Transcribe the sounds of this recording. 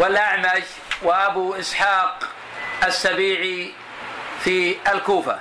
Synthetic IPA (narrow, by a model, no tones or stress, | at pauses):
wɪlʔaʕmaʃ | waʔabuʔɪsħaːq | ʔasːabiːʕi | fialkuːfa̰